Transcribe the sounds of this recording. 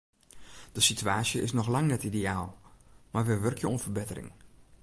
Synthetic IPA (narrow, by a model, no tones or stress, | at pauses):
d̥əsityaːsjəʔɪsnɔxlaŋnɛtideaːlˠmarʋəʋørkʰjəunfərbɪtərɪ̰ŋ